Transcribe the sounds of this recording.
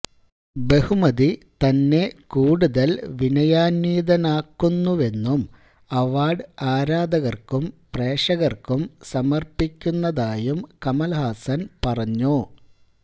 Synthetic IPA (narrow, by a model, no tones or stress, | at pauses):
be̞humɐðit̪ɐnːe̞kuːɽuðɐlʋinɐjaːnʋiːðɐnaːkːunːuʋe̞nːum | ɐʋaːɖɨaːɾaːd̪ɐɣɐrkumpreːʂɐɣɐrkumsɐmɐrpikʲːunːɐðaːjumkɐmɐlɐhaːsɐnpɐrɐɲːu